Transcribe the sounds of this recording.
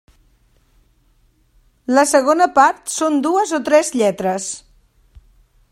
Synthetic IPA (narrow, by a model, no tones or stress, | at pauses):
ləsəɣ̞onəpaɾt̪sond̪uəzot̪ɾɛzʎɛt̪ɾəs